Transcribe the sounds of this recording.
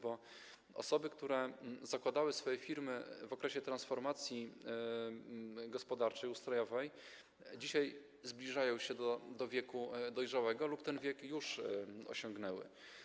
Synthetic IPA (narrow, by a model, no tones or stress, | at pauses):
bɔ | ɔ̰sɔbɘkt̪uɾɛzakwad̪awɘsfɔjɛfʲiɾmɘvɔkɾɛɕɛt̪ɾansfɔɾmat̪sʲji | ɡɔspɔd̪aɾt͡ʂɛjust̪ɾɔjɔvɛj | d͡ʑiɕaj | zblʲiʐajɔ̃w̃ɕɛd̪ɔd̪ɔvʲjɛkud̪ɔjʐawɛɡɔlupt̪ɛnvʲjɛkjuʂɔ̰ɕɔŋɡnɛwɘ̰